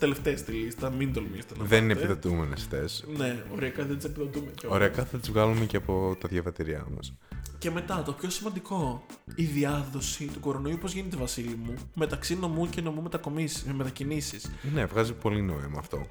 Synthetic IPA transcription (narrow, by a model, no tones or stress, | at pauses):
t̪e̞le̞ft̪eest̪ilist̪ɐmind̪olmist̪enɐðeninepiðo̞t̪umenesθesne̞oɾeɐkɐðend̪isepiðo̞t̪umecooɾeɐkɐθɐt̪izvɣɐlumeceɐpo̞t̪ɐðʝɐvɐt̪iɾiɐ̰mɐ̰sce̞me̞t̪ɐt̪o̞pço̞simɐnd̪iko̞iðiɐðo̞sit̪uko̞ɾo̞no̞iuupozʝinet̪evɐsilimume̞t̪ɐksino̞muceno̞mume̞t̪ɐko̞mismet̪ɐcinisisne̞vɣɐzipo̞lino̞imɐːft̪o̞̰